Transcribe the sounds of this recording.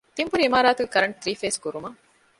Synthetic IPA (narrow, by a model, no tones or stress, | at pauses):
t̪imbuɾiimaːɾaːt̪uɡekɐɾɐɳt̪ɾiːfeːskuɾumɐ